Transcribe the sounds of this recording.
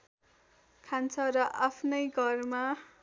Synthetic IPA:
kʰant͡sʰʌɾʌʔapʰnʌjɡʱʌrma

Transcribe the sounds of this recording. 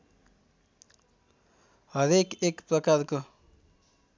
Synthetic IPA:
ɦʌɾekekprʌkarko

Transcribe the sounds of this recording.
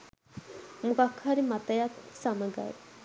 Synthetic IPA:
mukakʰːaɾimat̪ajat̪saməɡa̰j

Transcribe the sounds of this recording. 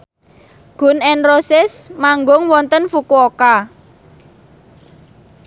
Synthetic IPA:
ɡ̥ʊ̤nɛnrosɪsmaŋɡʊŋwɔnt̪ənfukuoka

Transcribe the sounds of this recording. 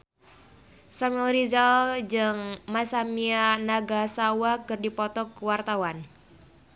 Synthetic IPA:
samɛlɾizald͡ʒɨŋmasamianaɡasawakɨrdipɔt̪ɔkuwart̪awan

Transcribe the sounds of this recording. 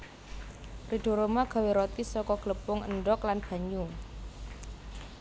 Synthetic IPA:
riɖ̥o̤ɾomaɡ̥a̤weɾot̪isɔkɔɡ̥ləpʊŋə̰nɖɔklanb̥a̤ɲu

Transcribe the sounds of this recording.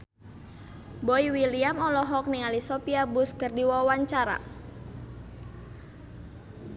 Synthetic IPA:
boiwiliamɔlɔɦɔk̚niŋalisɔpiabuskərdiwɔwaɲt͡ʃaɾa̰

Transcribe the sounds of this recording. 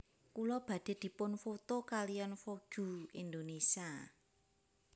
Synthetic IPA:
kulɔb̥ä̤d̪̥e̤d̪̥i̤pʊnfot̪okalijanfoɡ̥ṳind̪onesia

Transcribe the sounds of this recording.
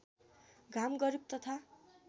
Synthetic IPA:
ɡʱamɡʌɾik̚t̪ʌt̪ʰa

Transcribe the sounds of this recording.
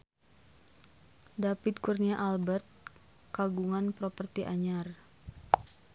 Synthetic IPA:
dapit̪kurniaʔalbərt̪̚ | kaɡuŋanpɾopərt̪iʔaɲar

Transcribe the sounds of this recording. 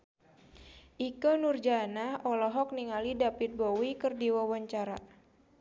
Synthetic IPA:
ʔikonurd͡ʒanahɔlɔɦɔk̚niŋalidapit̪̚bowikərdiwawaɲt͡ʃaɾa

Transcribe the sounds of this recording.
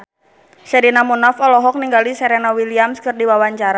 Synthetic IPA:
sɛɾinamunafɔlɔɦɔk̚niŋɡalisɛɾenawiliamskɨrdiwawaɲt͡ʃaɾa

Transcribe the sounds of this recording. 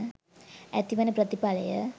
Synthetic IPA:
æt̪iʋənəpɾət̪ipaləjə

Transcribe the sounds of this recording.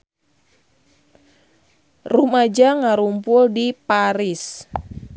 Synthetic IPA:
rumad͡ʒaŋaɾumpʊldipaɾis

